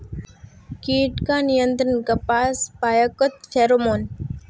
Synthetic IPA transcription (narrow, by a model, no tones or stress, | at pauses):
kiːʈkãːnijə̃nt̪ɾənɡɐpaːspaːjakot̪feːɾomoːn